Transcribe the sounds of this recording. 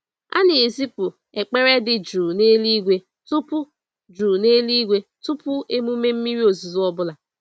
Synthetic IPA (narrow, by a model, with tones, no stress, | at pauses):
a̰˦nɪ˨e˨zi˦pʊ˨ | e˨k͡pe˦ɾe˦dɪ˨d͡ʒuː˨ne˦li˦ɡʷe˦ | tʊ˦pʊ˦ | d͡ʒuː˨ne˦li˦ɡʷe˦tʊ˦pʊ˦e˦mu˦me˦m̩˦mi˦ɾi˦o˨zi˨zu˦ɔ˦bʊ˦la˨